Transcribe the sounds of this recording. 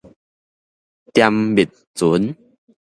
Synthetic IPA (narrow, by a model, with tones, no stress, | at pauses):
t̪ja˧mbi˨˩t̚t͡su˨˦n